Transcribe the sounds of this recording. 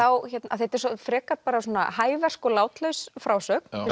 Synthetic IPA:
awçɛt̪na̰θɛt̪ɛɾ̥sɔfɾɛːkat̪̚paːɾasuɔːna̰haːjvɛr̥kɔlaːwt̪lœɥsfɾaːwsœːkn̥ɪ

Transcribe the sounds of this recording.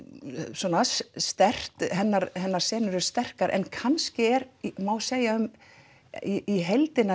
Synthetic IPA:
sɔːnasst̪ɛr̥t̪hɛnːaɾɦɛnːaɾ̥sɛːnʏɾʏɾ̥st̪ɛr̥kaɾʔɛ̰nkʰanscɪɛɾmawseːjaʏm | iiɦejlt̪ɪnːa

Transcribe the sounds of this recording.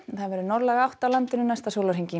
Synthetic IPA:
θaðvɛɾʏnɔɾlɛɣawht̪awlant̪ɪnʏnajst̪asowlaɾhiɲcɪ

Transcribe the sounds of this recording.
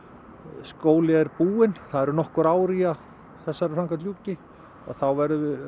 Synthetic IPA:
skoːwlɪɛɾpuːɪnθaðɛɾʏnɔhkʏɾaːwɾia | θɛsːaɾʏsaŋkat̪ljuːcɪ | aðθawvɛɾðʏʏ

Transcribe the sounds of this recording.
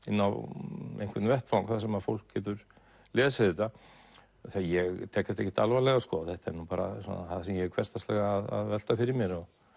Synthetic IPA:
ɪnːa̰wḛjŋkvɛt̪nvɛht̪fawŋkθaðsɛmaðfowl̥kcɛːt̪ʏɾ | lɛːsaɪːt̪a | θiajɛɣt̪ʰɛːkaɪ̥t̪eçcːɪ̥t̪alvalɛɣaskɔθɛht̪ɛ̰ɾnupaːɾa̰sɔ̰naθaðasɛmjɛkʰvɛɾ̥st̪ast̪lɛɣaːða̰ðvɛl̥t̪afɪɾɪɾmjɛɾɔɣ

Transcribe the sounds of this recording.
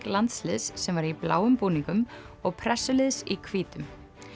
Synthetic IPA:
klant̪slɪðsːɛmvaɾipla̰ːwʏmpuːniŋkʏm | ɔɣpʰɾɛsːʏlɪðsikʰviːt̪ʏm

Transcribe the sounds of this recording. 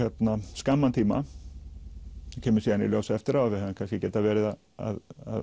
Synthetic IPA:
jɛt̪naskamːant̪ʰiːma̰ | cʰɛːmʏɾsiːðanḭljoːwsɛft̪ɪɾawavɪhɛvʏmkʰanscɪcɛːt̪avɛːɾɪða | a̰ða̰

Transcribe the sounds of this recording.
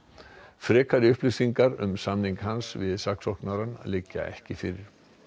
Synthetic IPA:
fɾɛːkʰaɾɪʏhplɪsiŋkaɾʏmsamniŋkhansvɪðsaksɔhknaɾanlɪcːa̰ɛ̰hcɪfɪɾɪɾ̥

